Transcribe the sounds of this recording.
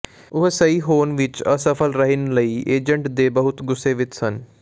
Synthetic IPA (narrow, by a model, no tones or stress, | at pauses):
ʊɦsəiːɦoːnʋɪt͡ʃəsəpʰəlɾəɦɪnləiːʔeːd͡ʒəɳʈd̪eːbəɦʊt̪ɡʊsːeːʋɪt͡ʃsən